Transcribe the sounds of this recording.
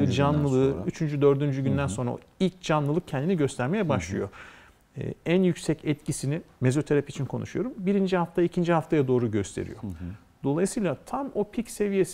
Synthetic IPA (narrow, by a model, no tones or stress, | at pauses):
d͡ʒanlˠɯlˠɯːyt͡ʃʰynd͡ʒyd̪ø̞ɾd̪ynd͡ʒyɟynd̪ænso̞nɾa̰ | ilʲc̚d͡ʒanlˠɯlˠɯk̚cʰɛnd̪iniɟø̞st̪ʰæɾme̞jɛbaʃlˠɯ̰jo̞̰ | ænjycsɛcɛt̪cʰisinime̞zo̞t̪ʰeɾapit͡ʃʰinkʰo̞̰nṵʃujo̞ɾumbiɾind͡ʒihaft̪ʰaicʰind͡ʒiɦaft̪ʰajad̪o̞ːɾuɟø̞st̪ʰe̞̰ɾḭjo̞̰ | d̪̥o̞lˠajsɯjlˠat̪ʰamo̞pʰicse̞vije̞s